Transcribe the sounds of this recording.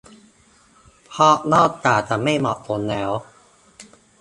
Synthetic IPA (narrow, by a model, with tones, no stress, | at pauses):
pʰɔ˦˥˩nɔː˥˩t̚t͡ɕaː˨˩t͡ɕ̪aː˨˩ma˥˩jmɔ˨˩ʔt̪o˧nːɛː˦˥w